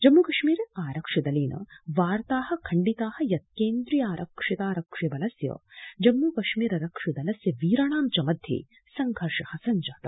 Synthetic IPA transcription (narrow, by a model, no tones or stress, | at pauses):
d͡ʒɐmːuːkɐʂmiːɾaːɾɐkʂɐd̪ɐliːnʔɐ̰ʋaːɾt̪aːɦɐ̆kʰɐɳɖit̪aːhɐ̆jɐt̪̚keːnd̪ɾijaːɾʔɐkʂit̪aːɾɐkʂjɐbɐlɐsjɐ̰d͡ʒɐmːuːkɐʂmiːɾɐɾɐkʂɐd̪ɐlɐsjɐʋiːɾaːɳaːmt͡ʃɐmɐd̪ʱjḭ | sɐŋɡʱɐɾʂɐhɐsɐnd͡ʒaːt̪ɐ